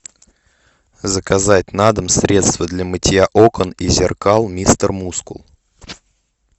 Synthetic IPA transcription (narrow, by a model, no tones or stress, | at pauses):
zəkazatʲnad̪əmsʲɾʲe̞t̪st̪vəd̪lʲəmətʲɪjaʔokənizʲɪrkalˠmʲist̪ərmuskʊ̰lˠ